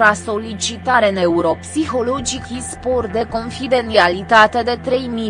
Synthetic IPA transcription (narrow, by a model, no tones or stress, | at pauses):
ɾaso̞lit͡ʃit̪aɾeneuɾo̞psixo̞lo̞d͡ʒikispo̞rt̪̚d̪e̞ko̞nfid̪e̞nialit̪at̪e̞d̪e̞t̪ɾe̞jmi